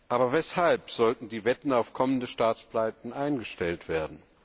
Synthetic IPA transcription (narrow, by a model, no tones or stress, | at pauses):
ʔaːbɐvɛshalpz̥ɔltn̩diːvɛtn̩aʊfkʰɔməndəʃtaːt͡splaɪtn̩ʔaɪnɡəʃtɛltv̥eːɐdn̩